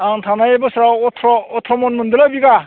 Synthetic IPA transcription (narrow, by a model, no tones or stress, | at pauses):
aŋtʰanajebɯsɯɾawɔtʰɾɔːtʰɔmɔnmɯndɯlabiɡa